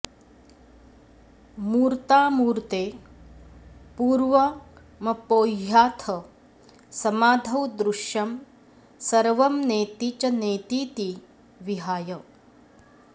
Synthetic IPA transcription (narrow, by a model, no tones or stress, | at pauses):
muːɾt̪aːmuːɾt̪eː | puːɾʋɐ | mɐpoːɦjaːt̪ʰɐ | sɐmaːd̪ʱɐwd̪ɾuʃjɐm | sɐɾʋɐmneːt̪it͡ʃɐneːt̪iːt̪i | ʋiɦaːjɐ